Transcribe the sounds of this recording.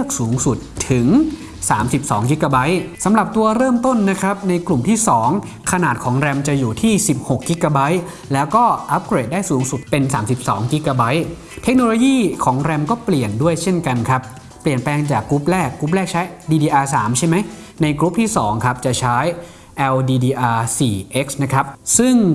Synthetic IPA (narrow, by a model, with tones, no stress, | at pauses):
lɤ˥˩k̚suː˩˦ŋsu˨˩t̪ʰːɯ˩˦ŋ | saː˩˦msi˨˩p̚sɔː˩˦ŋki˦˥kːa˧ba˦˥jsa˩˦mɾa˨˩p̚t̪u˧ɐɾɤː˥˩mt̪o˥˩nːa˦˥kʰɾa˦˥p̚na˧jklu˨˩mt̪ʰiː˥˩sɔː˩˦ŋ | kʰa˧naː˨˩t̪̚kʰɔː˩˦ŋɾɛ˧mt͡ɕa˨˩juː˨˩t̪ʰiː˥˩si˨˩p̚ho˨˩kːi˦˥kːa˧ba˦˥j | lɛː˦˥wkɔː˥˩ʔa˦˥p̚kɾeː˨˩daː˥˩jsuː˩˦ŋsu˨˩t̪̚pe˧nsaː˩˦msi˨˩p̚sɔ̰ː˩˦ŋki˦˥kaː˧ba˦˥j | t̪ʰe˦˥k̚noː˧loː˧jiː˥˩kʰɔː˩˦ŋɾɛ˧mkɔː˥˩pli˨˩əndu˥˩əjt͡ɕʰe˥˩nka˧nkʰa˦˥p̚ː | li˨˩ənplɛː˧ŋt͡ɕaː˨˩kɾu˦˥p̚lɛː˥˩kːɾu˦˥p̚lɛː˥˩k̚t͡ɕʰa˦˥jdiː˧diː˧ʔaː˧saː˩˦mt͡ɕʰa˥˩jma˦˥j | na˧jkɾu˦˥p̚t̪ʰiː˥˩sɔː˩˦ŋkʰa˦˥p̚t͡ɕa˨˩t͡ɕʰa˦˥j | ʔɛː˧wdiː˧diː˧ʔaː˧siː˨˩ʔe˦˥k̚sna˦˥kʰɾa˦˥p̚sɯ˥˩ŋ